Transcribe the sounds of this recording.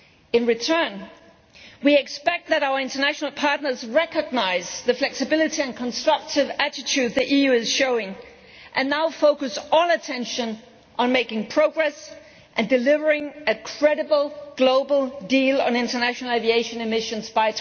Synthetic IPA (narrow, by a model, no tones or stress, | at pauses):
ɨ̃nɹɨtʰɜ̃˞n | wiɨkspɛk̚t̪̚ðɨɾaʊə˞ɪ̃ntə˞næʃnl̩ˠpʰɑɹtⁿnə˞zɹɛkɨɡ̚naɪzðɨflɛksɨbɪlˠɨɾiɨ̃nkʰə̃nstɹ̥ʌk̚tʰɨvæɾɨtʰʉd̪̚ðiʔijʉɨz̥ʃoʊɪ̃ŋ | ʔɨ̃nːaʊfoʊkɨsɔlˠətʰɛ̃nʃɨ̃n | ʔə̃nmeɪkɪ̃ŋpʰɹ̥oʊɡɹɛs | ʔɨ̃ndɨlɪvə˞ɪ̃ŋɨkʰɹ̥ɛɾɨbl̩ˠɡ̥loʊbl̩ˠdilˠə̰̃nɪ̃ntə˞næʃn̩l̩ˠevieɪʃɨ̃nɨmɪʃɨ̃nzbaɪtʰ